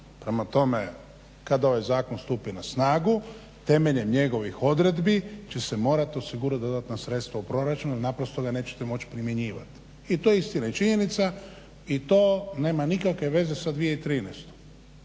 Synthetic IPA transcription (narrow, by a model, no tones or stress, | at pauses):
pɾemat̪o̞me̞ | kad̪ao̞ʋajzaːkonst̪uːpinasnaːɡu | t̪e̞me̞ʎe̞mɲe̞ɡo̞ʋixo̞d̪ɾe̞d̪bit͡ʃe̞se̞mo̞ːɾat̪io̞siɡuɾad̪o̞d̪at̪nasɾe̞t̪st̪ʋaupɾo̞ɾat͡ʃununapɾo̞st̪oɡane̞ːt͡ʃet̪emo̞t͡ɕi̥pɾimje̞ɲiːʋa̰t̪ | it̪ojeist̪inait͡ʃiɲe̞nit̪sa | it̪oːne̞ːmanikakʋe̞ʋe̞ze̞sad̪ʋijeit̪ɾiːnɛst̪o̥